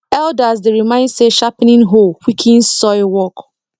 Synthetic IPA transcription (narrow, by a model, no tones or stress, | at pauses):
ɛldasdeɾimãɪ̃ndseʃapnĩnɦolwikʰĩnsɔɪwɔk